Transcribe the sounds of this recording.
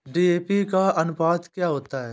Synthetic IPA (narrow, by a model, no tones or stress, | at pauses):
ɖiːeːpikaɐnʊpaːd̪kjaːɦoːt̪aɦɛː